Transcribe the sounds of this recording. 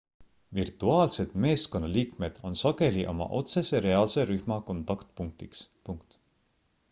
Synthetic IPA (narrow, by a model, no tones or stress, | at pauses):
virt̪uɑːlse̞d̪̥me̞ːsko̞nːɑliːkme̞d̪̥o̞nsɑɡ̥e̞liʔo̞̰mɑ̰ʔo̞t̪se̞se̞ɾe̞ɑːlse̞ɾyhmɑko̞nt̪ɑkt̪̚puŋk̚t̪ikspuŋkt̪